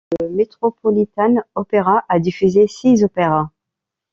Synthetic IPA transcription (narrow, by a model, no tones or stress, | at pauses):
ləmet̪χɔpɔlit̪anɔpeʁaʔad̪ifyzesizɔpeʁa